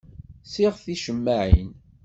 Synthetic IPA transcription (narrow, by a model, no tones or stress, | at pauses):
siʁθiʃəmːaʕḭn